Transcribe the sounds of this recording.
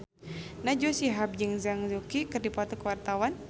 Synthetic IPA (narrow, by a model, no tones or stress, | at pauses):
nad͡ʒusiɦap̚d͡ʒɨŋzaŋzukikɨrdipɔt̪ɔkəwart̪awan